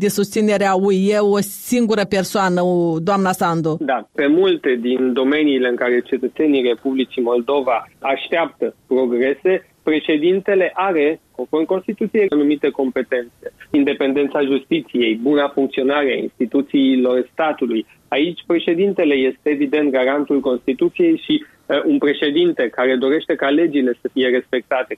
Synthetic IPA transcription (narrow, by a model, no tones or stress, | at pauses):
d̪isust̪sine̞ɾeaueosiŋɡuɾəpe̞rsoanəod̪oamnasand̪od̪ape̞mult̪e̞d̪ind̪o̞me̞niːle̞ɨŋkaɾe̞t͡ʃe̞t̪ət̪se̞nire̞publit͡ʃimo̞ld̪o̞vaaʃt̪eap̚t̪əpɾo̞ɡɾe̞se̞ | pɾe̞ʃe̞d̪int̪e̞le̞ʔaɾe̞konformko̞nst̪it̪ut̪sijenumit̪e̞ko̞mpe̞t̪e̞nt̪sse̞ind̪e̞pe̞nd̪e̞nt̪saʒust̪it̪sije̞jbunafuŋkt̪sio̞naɾeaḭnst̪it̪ut̪siːlo̞rst̪at̪uluj | ait͡ʃʲpɾe̞ʃe̞d̪int̪e̞le̞je̞st̪e̞ːvid̪e̞nt̪̚ɡaɾant̪ulko̞nst̪it̪ut̪sije̞jʃi | unpɾe̞ʃe̞d̪int̪e̞kaɾe̞d̪o̞ɾe̞ʃt̪e̞kale̞d͡ʒile̞səfije̞ɾe̞spe̞k̚t̪at̪e̞